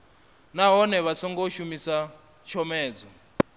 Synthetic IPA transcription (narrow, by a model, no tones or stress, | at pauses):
naɦɔnɛβasɔŋɡoʃumisa | t͡ʃʰɔmɛːd͡zɔ